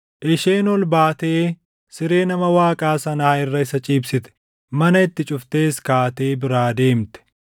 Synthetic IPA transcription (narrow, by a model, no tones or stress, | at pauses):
ʔɪʃeːnɔlbaːt̪eː | sɪɾeːnɐmɐwaːkʼaːsɐnaːɪrːɐɪsɐt͡ʃʼiːbsɪt̪ɛ̥ | mɐnɐɪt̪ːɪt͡ʃʼʊft̪e̞ːskaːt̪e̞ːbɪɾaːd̪e̞ːmt̪ɛ̥